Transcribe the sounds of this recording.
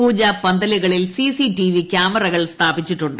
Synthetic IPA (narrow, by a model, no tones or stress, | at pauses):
uːd͡ʑɐpɐnd̪ɐliɣɐɭilsisiʈiʋikʲaːmɐrɐɣɐɭst̪ʰaːbit͡ɕːiʈːuɳɖɨ